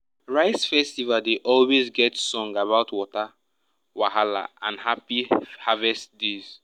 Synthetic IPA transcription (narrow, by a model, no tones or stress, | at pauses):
ɹaɪsfɛstivaldeʔɔlwezɡɛtsɔ̃ŋɡaβaʊtwɔta | waɦala̰ãnhapihavɛstdez̥